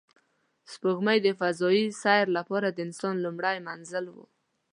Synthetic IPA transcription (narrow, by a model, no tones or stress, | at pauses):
spuɣmajd̪əfazɔisajɾlapɑɾad̪əɪnsɔnlumɽajmanzəlwṵ